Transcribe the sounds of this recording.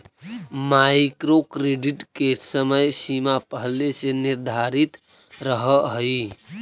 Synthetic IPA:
majkɾokɾeɖiʈkesəməjsimapəɦleseniɾd̪ʱaɾit̪ | ɾəɦəɦəi

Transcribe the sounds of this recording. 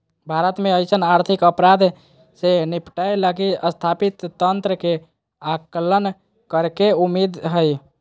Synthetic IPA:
bʱaɾət̪meəjsənaɾt̪ʰikəpɾad̪ʱ | senipʈajlakiəst̪ʰapit̪ːənt̪ɾəke | aklən | kəɾkeumid̪ɦəj

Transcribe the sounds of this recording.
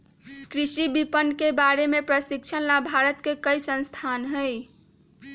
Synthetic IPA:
kɾisibipənkebaɾemepɾəsikt͡ʃʰənlabʱaɾət̪kekəjsə̃nst̪ʰanɦəj

